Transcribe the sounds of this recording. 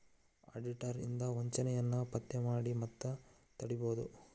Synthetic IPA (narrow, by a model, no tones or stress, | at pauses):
a̰ːɖiʈɐɾḭnd̪ɐʋɐɲt͡ʃɐnɛjɐnːɐpɐt̪ːemaːɽimɐt̪ːɐ | t̪ɐɽiboːd̪u